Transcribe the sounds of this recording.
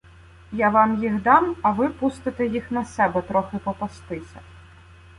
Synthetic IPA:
jaʋɑmjiɣd̪ɑmɐʋɪpust̪ɪt̪ɛjixnɐsɛbɛt̪ɾɔxɪpɔpɔst̪ɪsʲɐ

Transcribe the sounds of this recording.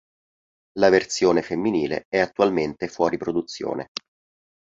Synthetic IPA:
lavert̪sjoːnefemːiniːlḛɛat̪ːualment̪efwɔːɾipɾod̪ut̪sːjo̰ːnḛ

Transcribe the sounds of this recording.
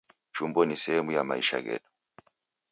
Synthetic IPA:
t͡ʃumbɔnisɛhɛmujamaiʃa̰ɣɛ̰ɗu̥

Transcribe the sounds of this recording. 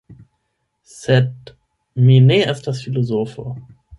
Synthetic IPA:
sɛt | mineɪst̚d̥asfilozoːfə

